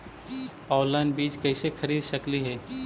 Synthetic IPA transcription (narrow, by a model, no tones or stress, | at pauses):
ɔːlaːnbiːt͡ʃkɛːsexɐɾiːd̪ʃɐkliɦɛː